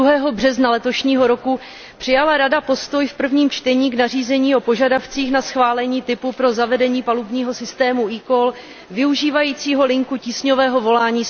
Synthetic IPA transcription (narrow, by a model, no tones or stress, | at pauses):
uɦɛːɦo̞br̝ɛznalɛt̪o̞ʃɲiːɦo̞ɾo̞ku | pr̥ɪjalaɾadapo̞st̪o̞jfpr̩vɲiːmt͡ʃt̪ɛɲiːɡnariːzɛɲiːo̞po̞ʒadaft͡siːxnasxvaːlɛɲiːt̪ɪpupɾo̞zavɛdɛɲiːpalubɲiːɦo̞sɪst̪ɛːmuʔiːkol | vɪuʒiːvajiːt͡siːɦo̞lɪŋkuciːsɲovɛːɦo̞vo̞laːɲiː